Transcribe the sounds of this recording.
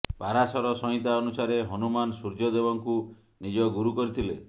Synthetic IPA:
paɾasɔɾɔsɔɦĩt̪aɔnusaɾeɦɔnumansuɾd͡ʒɔd̪ebɔŋku | nid͡ʒɔɡuɾukɔɾit̪ʰilḛ

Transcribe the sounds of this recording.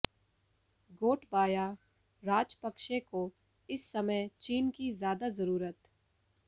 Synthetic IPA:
ɡoːʈʰbaːja | ɾaːd͡ʒpəkʃeko | ɪsːɐməjt͡ʃiːnkizjaːd̪azɐɾuːɾət̪

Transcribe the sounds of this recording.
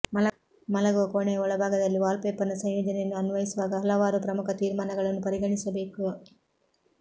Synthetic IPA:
mɐ | mɐlɐɡuʋɐkoːɳejɐɔɭɐbʱaːɡɐd̪ɐlːiʋaːlpeːpɐnɐsɐjjɔːd͡ʒɐnɛjɐnːuɐnʋɐjisuʋaːɡɐɦɐlɐʋaːɾupɾɐmukʰɐt̪iːɾmaːnɐɡɐɭɐnːupɐɾiɡɐɳisɐbe̞ːku

